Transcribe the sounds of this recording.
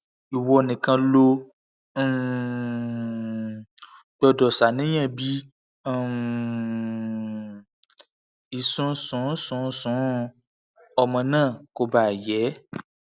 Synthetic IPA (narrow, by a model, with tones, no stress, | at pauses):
i˨wɔ˧nĩ˨kã˧lõ˧˦˨ | ɡ͡bɔ˧dɔ˨sa˨nĩ˦j̃ɛ̃˦˨bĩ˦˨ | i˨sũ˧˦sũ˨˦sũ˨˦sũ˨˦ | ɔ˧mɔ̃˧nãː˦˨ko˧ba˨jɛ˨˦